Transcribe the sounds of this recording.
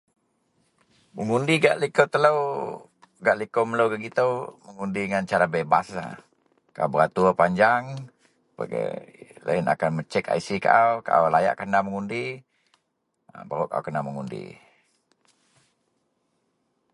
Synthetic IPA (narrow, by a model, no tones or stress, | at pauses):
məŋundiɡaʔlikəwt̪ələw | ɡaʔlikowməlowɡəɡit̪əwməŋundiŋant͡ʃaɾabebasla̰ | kaa̰bəat̪uəpaɲd͡ʒaŋ | pa̰ɡ̰la̰ɪna̰kanmət͡ʃɛka̰isika̰ʔawka̰ʔwlaja̰ʔkənaməŋundi | əbaɾuʔka̰o̰kənaməŋundḭ